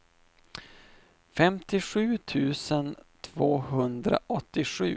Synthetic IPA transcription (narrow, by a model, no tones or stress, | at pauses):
fɛmt̪ɪɧʉ̟ːt̪ʰʉ̟ːsənt̪ʰvoːɦɵnd̪ɾa̰ʔɔt̪ːɪɧʉ̟ː